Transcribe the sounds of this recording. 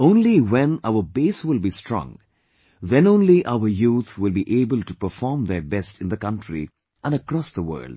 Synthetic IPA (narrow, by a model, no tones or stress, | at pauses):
õʊ̃nliwɛ̃naʊəbeːswɪlˠbistɾɔ̰̃ŋ | ðɛ̃nõːnliʔaʊəɾjuːt̪ʰwɪlbiʔeːbəlʈupəfɔːɹmðəbɛstɪ̃nd̪əkʌ̃nʈʰɾḭ | ʔæ̃nəkɾɔsðəwə̰ːlɖ̥